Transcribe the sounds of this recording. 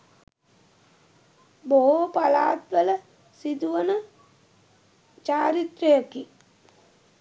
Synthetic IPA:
boɦopala̰ːt̪ʋələ | sid̪uʋənə | t͡ʃaːɾit̪ɾəjəki

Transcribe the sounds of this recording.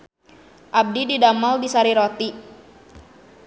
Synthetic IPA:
ʔab̚dididamaldisaɾiɾot̪i

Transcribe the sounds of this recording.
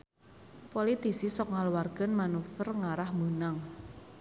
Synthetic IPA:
polit̪isisɔk̚ŋaluwarɡ̥ə̤nmanufərŋaɾahmunaŋ

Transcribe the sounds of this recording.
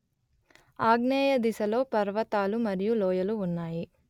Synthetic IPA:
aːɡnɛːjɐd̪isɐlo̞ːpɐɾʋɐt̪aːlumɐɾijulɔːjɐluunːaːji

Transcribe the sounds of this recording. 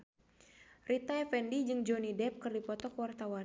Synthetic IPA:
rit̪aɛfɛndid͡ʒɨŋd͡ʒɔnidɛp̚kɨrdipɔt̪ɔkwart̪awa

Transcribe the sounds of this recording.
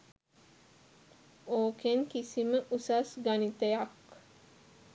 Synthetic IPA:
oːkeŋkisiməʔusasɡanit̪ejak

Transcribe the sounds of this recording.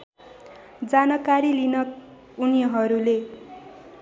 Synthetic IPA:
d͡zanʌkaɾilinʌ | unijʌɦʌɾule

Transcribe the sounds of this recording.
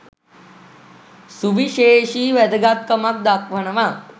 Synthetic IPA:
suʋiʃeːʃiːʋɛd̪ɐɡat̪̚kɐmak̚d̪akʋɐɳɐʋa

